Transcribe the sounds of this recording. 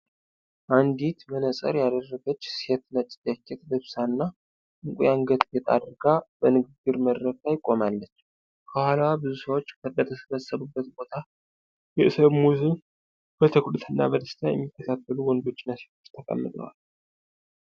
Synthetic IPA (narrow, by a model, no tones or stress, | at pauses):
ʔand̪it̪mənəsʼə̰ɾjad̪ərːəɡət͡ʃːset̪nat͡ʃʼɪ̥t̪jakːɛt̪lɨβsanːa | ɨŋkʼujaŋɡət̪kʰɛt̪ʼa̰ɾɡabənɨɡɨɡɨɾməd̪ɾəkajɪkʼːo̞malːət͡ʃː | kʰəhalwabɨzusəwot͡ʃːkʰəd̪ət̪ʰəsəβəsːəβɨbːət̪bo̞t̪ʰa | jɛʔɨsəβmuzɨn | b̥ət̪ʰəkʰʼud̪ɨt̪ʰɨnːa̰bəd̪əst̪ʰajɛ̰mːikːət̪ʰat̪ʰːəluwɔnd̪o̞t͡ʃːɪnːaset̪ʰo̞t͡ʃːt̪ʰəkʼə̰mːɨt̪ʼə̰wa̰l